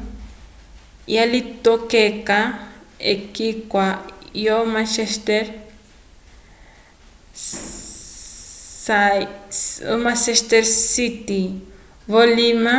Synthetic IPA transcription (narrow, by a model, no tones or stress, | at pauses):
jalit̪okekaḛkikʷajomãt͡ʃest̪eɾ | sa | mãt͡ʃest̪eɾsit̪i | βolima